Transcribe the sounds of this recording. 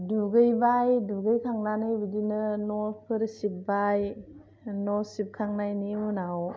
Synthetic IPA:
duɡɯjbajduɡɯjkʰaŋnanɯjbidinɯnɔpʰɯɾsip̚baj | nɔsip̚kʰaŋnajnimunaw

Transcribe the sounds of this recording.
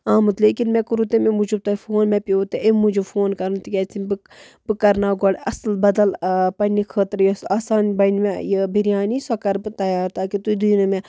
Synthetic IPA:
aːmut̪leːkinmɛ̃kuɾut̪ememud͡ʒub̚t̪ɐfʰoːnmɛ̃pioːt̪eʔemud͡ʒufoːnkɐɾnt̪ikʲɛːt͡sʰibɨ | bɨkɐɾnaːɡɔɽɐslbɐd̪ɐlpɐnikʰəːt̪ɾjɐsaːsaːnbɐnmejəbiɾjaːnisɐkɐɾbɨt̪ɐjaːɾt̪aːkit̪uid̪ujinɐmẽ

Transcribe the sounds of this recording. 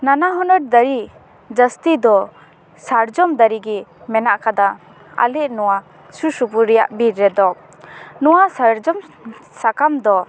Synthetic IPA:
nanaɦɔnɔʈ̚d̪əɾi | d͡ʒəst̪id̪ɔ | saɾd͡ʒɔmd̪əɾiɡɛmɛnaʔkad̪a | a̰lɛʔnɔwa | susupuɾːɛja̰ʔbiɾːɛd̪ɔ | nɔwasaɾd͡ʒɔm | sakamd̪ɔ

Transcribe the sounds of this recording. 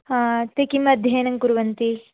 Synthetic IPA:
at̪ekimɐd̪ʱjeːnɐŋkuɾuʋɐnt̪i

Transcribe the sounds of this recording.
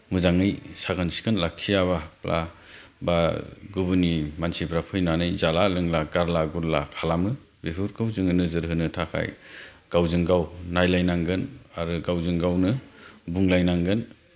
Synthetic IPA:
mɯzaŋɯjsaɡɯnsi̥kʰɯnlakʰijaβaplʔa̰ | baɡubɯnimansibʰɾapʰɯjnanɯjzalalɯŋlaɡaɾlaɡuɾlakʰalamɯ | beɦuɾkʰɯwzɯŋɯnɯzɯɾɦɯnɯtʰakʰa̰j | ɡ̥awzɯŋɡawnajlajnaŋɡɯnaɾɯɡawzɯŋɡawnɯbuŋlajnaŋɡɯn

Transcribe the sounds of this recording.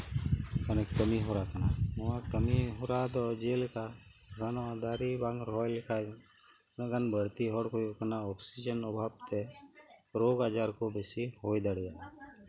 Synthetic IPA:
kənekkːəmiɦoɾaːkənaʊãkəmiɦoɾaːd̪ɔd͡ʒeːlkaɡanoad̪aːɾibãŋɡɾɔːjlɪkʰa | nɡənbəɽt̪iɦɔːɽkojokənaɔːksid͡ʒənɔbʱaːbt̪e | ɾoːɡaːd͡ʒaːɾkobesiɦoːjd̪aɽija

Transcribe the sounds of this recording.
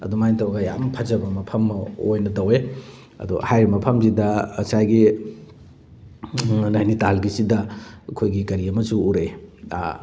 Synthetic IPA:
ɐ̰dumajnitɐwɡɐja̰mpʰɐzɐbɐmɐpʰɐmːojnɐtɐwe | ɐ̰d̪ṵhajɾimɐpʰɐmzidɐːsajɡi | najnitalɡisidɐkʰojɡikɐɾiɐmɐsuuɾḛ

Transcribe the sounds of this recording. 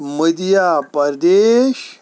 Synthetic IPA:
məd̪ijapəɾd̪eɕ

